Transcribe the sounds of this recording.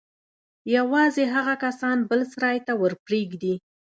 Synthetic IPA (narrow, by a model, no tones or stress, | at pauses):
jawɑzeɦaɣakasɑnbəlsɾɑjt̪awəɾpɾeɡd̪i